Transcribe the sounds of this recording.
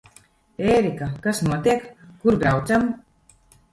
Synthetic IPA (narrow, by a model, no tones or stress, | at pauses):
eːɾikakasnuɔt̪iɛkːuɾbɾawt̪sam